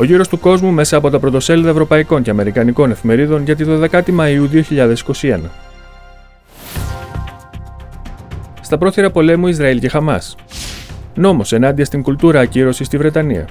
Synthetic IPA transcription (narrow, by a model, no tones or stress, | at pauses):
o̞ʝiɾo̞st̪uko̞zmume̞sɐːpo̞t̪ɐpɾot̪ose̞liðɐevɾo̞pɐiko̞nce̞ɐme̞ɾikɐniko̞ne̞fime̞ɾiðo̞nʝɐt̪̬it̪oðe̞kɐt̪imɐiuðio̞çiʎɐðe̞si̥ko̞sie̞nɐ | st̪ɐpɾo̞θiɾɐpo̞le̞muizɾɐilce̞xɐmɐ̰s | no̞mo̞se̞nɐnd̪iɐst̪iŋɡult̪uɾɐːciɾo̞sist̪ivɾe̞t̪ɐnḭɐ̰